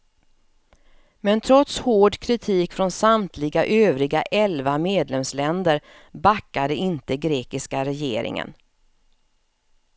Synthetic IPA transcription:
mɛnt̪ʰɾɔt̪shoːɖkʰɾɪt̪ʰiːkfɾɔnsamt̪ʰlɪɡaʔøːvɾɪɡaʔɛlvameːd̪lɛmslɛnd̪əɾ | bakːad̪əɪnt̪əɡɾeːkɪskaɾɛjḛːɾɪ̰ŋə̰n

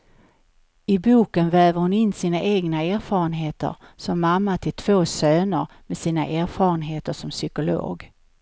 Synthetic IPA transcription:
ɪbuːkənvɛːvəɾhʊnɪnːsiːnaʔeːɡnaæːɾfɑːɾənɦeːt̪ə̰ɾsɔmːamːat̪ʰɪlt̪ʰv̥oːsøːnəɾ | mɛsiːna̰ʔæːɾfɑːɾənɦeːt̪əʂɔmsʏkʊlo̰ːɡ

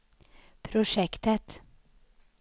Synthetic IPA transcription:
pʰɾʊʂɛkt̪ət̪

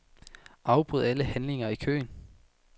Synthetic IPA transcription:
ʔɑ̈ʊb̥ʁuð̞̰ˠæləhænle̝ŋɐikʰø̰ːn

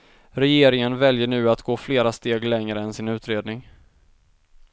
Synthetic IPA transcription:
ɾɛjeːɾɪŋənvɛljəɳʉ̟ːat̪ɡoːfleːɾast̪eːɡlɛŋɾəɛnsɪnʉ̟ːt̪ɾeːd̪nɪŋ

